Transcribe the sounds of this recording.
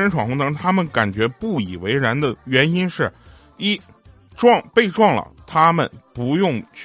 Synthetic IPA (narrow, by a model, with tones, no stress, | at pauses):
ə˧˥nʈ͡ʂʰwɑ˨˩ŋxʊ˥ŋt̪ɤ˧˥ŋt̪ʰa˥mə˨nka˨˩nt͡ɕɥɛ˧˥pu˥˩i˨˩we˧˥ɪɻa˧˥nd̪ə˨ɥɛ˧˥ni˥nʂɻ̩˥˩ | i˥˩ | ʈ͡ʂwɑ˥˧ŋpe˥˧ɪʈ͡ʂwɑ˥˩ŋlə̰˩t̪ʰa˥mə̰˨npu˧˥jʊ˥˧ŋt͡ɕʰ